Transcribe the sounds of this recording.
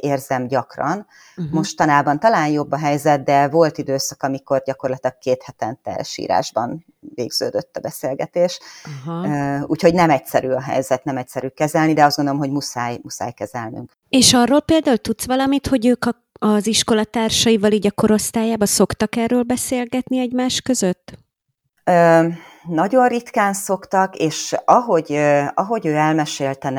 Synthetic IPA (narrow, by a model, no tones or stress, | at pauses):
eːrzɛmɟɒkrɒn | mo̞ʃt̪ɒnaːbɒnt̪ɒlaːnjo̞bːɒɦɛjzɛt̪̚d̪ɛvo̞lt̪id̪øːsɒkɒmiko̞rɟɒko̞rlɒt̪ilɒɡ̚keːt̪hɛt̪ɛnt̪ɛ̰ʃḭːɾa̰ːʒbɒn | veːɡz̥ø̰ːd̪øt̪ːɒbɛseːlɡɛt̪eːʃ | ṵːcho̞ɟnɛmɛcsɛɾyɒɦɛ̰jzɛt̪nɛmɛc̚sɛɾykɛzɛlnid̪ɛɒzdɡond̪olomɦo̞ɟmusaːjmusa̰ːjkɛzɛlny̰ŋk | eːʃɒrːolpeːld̪aːult̪ut̪sʋɒlɒmit̪ho̞ɟøːkɒ | ɒziʃko̞lɒt̪aːrʃɒivɒliːɟɒko̞ɾo̞st̪aːjaːbɒso̞kt̪ɒkɛrːøːlbɛseːlɡɛt̪niɛɟmaːʃkø̞zø̞t̪ː | øː | nɒɟo̞nrit̪kaːnso̞kt̪ɒkeːʃɒɦo̞ɟɒɦo̞ɟøːɛlmɛʃeːlt̪ɛn